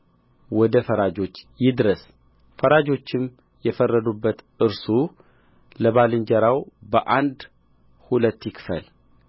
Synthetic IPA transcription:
wɔd̪əfəɾad͡ʒo̞t͡ʃːjɪd̪ɾəs | fəɾad͡ʒo̞t͡ʃːɪm | jɛfərːəd̪ubːət̪ | ɨɾsu | ləβalɨɲd͡ʒəɾawbəʔand̪ | hulət̪ːjɪkʰfə̰l

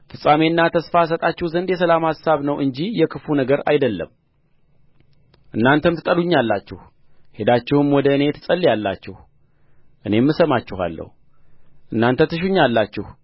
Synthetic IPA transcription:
fɨsʼamenːat̪ʰəsfas̬ət̪ʼat͡ʃːɛhzənd̪jɛsəlamhasaβnəwʔɨnd͡ʒijɛkʰɨfunəɡəɾa̰jd̪əlːə̰m | ʔɨnːant̪ʰəmt̪ʰɨt̪ʼəluɲːalːat͡ʃːɛh | he̞d̪at͡ʃːɛhɨmwɔd̪əɨne̞t̪ʰɨsʼəlːijalːa̰t͡ʃːɛh | ʔɨne̞mːɨsəmat͡ʃːɪha̰lːə̰hu | ʔɨnːant̪ʰət̪ːɨʃ̬uɲːalːat͡ʃːɪh

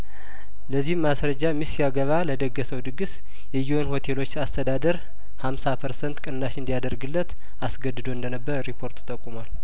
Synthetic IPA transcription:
ləzːihɨmːasɾəd͡ʒamisijaɡəβaləd̪əɡːəsəwd̪ɨɡɨs | jɛjuwonho̞t̪ʰe̞lo̞t͡ʃːast̪ʰəd̪ad̪əɾ | hamsapʰəɾsənt̪kʼɨnːaʃɨnd̪ijad̪əɾɡɨlːət̪ | asɡəd̪ːɨd̪oɨnd̪ənəbːəɾɾipʰo̞ɾt̪ɨ̥t̪ʼːəkʼːumal

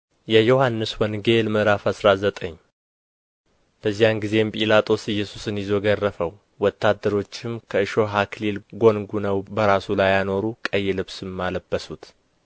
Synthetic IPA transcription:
jɛjo̞hanːɨswɔnɡelmɨɾafasɾazət̪ʼəɲː | b̥əzːijanɡize̞mpʼilat̪ʼo̞sɨjːɛsusɨnjɪzo̞ɡərːəfəw | wɔt̪ʰːad̪ːəɾo̞t͡ʃːɪmkʰəɨʃo̞ɦakʰlilɡo̞nɡunəwbəɾasulajːano̞ɾukʼəjːɛlɨβsɨmːaləbːəsut̪

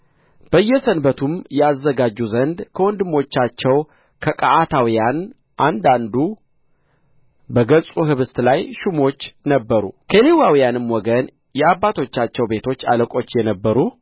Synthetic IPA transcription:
b̥əjːɛsənbət̪ʰumjɛazːəɡad͡ʒːuzənd̪kʰəwɔnd̪ɨmo̞t͡ʃːat͡ʃːɛw | kʰəkʼaʔat̪ʰawijan | ʔand̪and̪u | bəɡəsʼuɦɨβɨst̪lajʃumo̞t͡ʃːnəbːəɾṵkʰəlewawijanɨmwɔɡən | jɛabːat̪ʰo̞t͡ʃːat͡ʃːɛwbe̞t̪ʰo̞t͡ʃːa̰ləkʼo̞t͡ʃːjɛnəbːəɾu

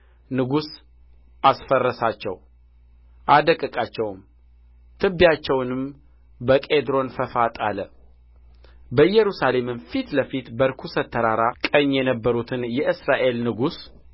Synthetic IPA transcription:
nɨɡus | ʔasfərːəsat͡ʃːɛ̰w | ʔad̪əkʼɨkʼat͡ʃːɛwm | t̪ʰɨbːjat͡ʃːɛwnɨm | bəkʼed̪ɾo̞nfəfat̪ʼalə | bəjɛɾusale̞mɨnfit̪ləfit̪bəɾkʰusət̪ʰːəɾaɾakʼəɲːjɛnəbːəɾut̪ʰɨnjɛʔɨsɾaʔe̞lnɨɡus

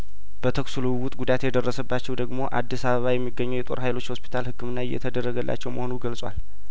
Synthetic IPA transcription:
b̥ət̪ʰəksuluwwʊt̪ʼɡud̪at̪jɛd̪ərːəsəbːat͡ʃːɛwd̪əɡmo̞ʔad̪ːisaβəβajɛmːiɡːəɲːɛwjɛt̪ʼo̞̰ɾɦajlo̞t͡ʃːho̞spʰi̥t̪ʰalhɨkːɨmɨnːaɪjɛ̰t̪ʰəd̪ərːəɡəlːʔa̰t͡ʃːɛwməho̞nuɡəlsʼwa̰l

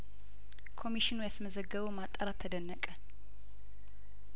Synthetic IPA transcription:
kʰo̞miʃinujasməzəɡːəβəwmat̪ʼːəɾat̪ʰːəd̪ənːəkʼə

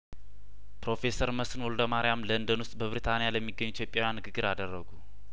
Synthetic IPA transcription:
pɾo̞fe̞səɾməsɨnwold̪əmaɾijamlənd̪ənwʊst̪ʼbəβɾit̪ʰanijaləmːiɡːəɲːuit̪ʰjo̞pʼjawjanːɨɡɨɡːɨɾad̪ərːəɡu

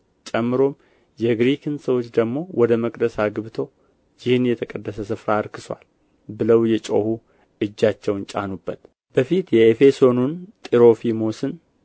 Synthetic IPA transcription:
t͡ʃʼɛmːɨɾo̞m | jɛɡɾikʰɨnsəwot͡ʃːd̪əɡmo̞wʔɔd̪əməkʼd̪əsaɡɨβt̪ʰo̞ | jɪhɨnjɛt̪ʰəkʼəd̪ːəsəsɨfɾaːɾkʰɨswa̰l | bɨləwjɛt͡ʃʼohu | ɨd͡ʒːat͡ʃːɛwnt͡ʃʼa̰nubːət̪ | b̥əfit̪jɛefe̞so̞nunt̪ʼiɾo̞fimosɨn

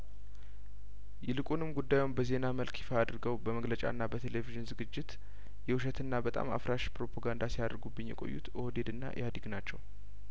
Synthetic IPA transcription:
jɛlɨkʼunɨmɡud̪ːajunbəze̞naməlkʰifaad̪ɾɨɡəwbəməɡlət͡ʃʼa̰ɨnːabət̪ʰe̞le̞viʒɨnzɨɡɨd͡ʒːɪt̪ | jɛwuʃɛt̪ɨnːabət̪ʼa̰ma̰fɾaʃpɾo̞pʰaɡand̪asijad̪əɾɡubːɨɲjɛ̰kʼo̞̰jːṵt̪od̪e̞d̪ɨnːa̰ʔjad̪iɡnat͡ʃːɛw

